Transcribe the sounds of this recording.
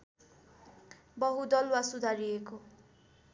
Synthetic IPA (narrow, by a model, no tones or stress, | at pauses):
bʌɦud̪ʌlwasud̪ʱaɾieko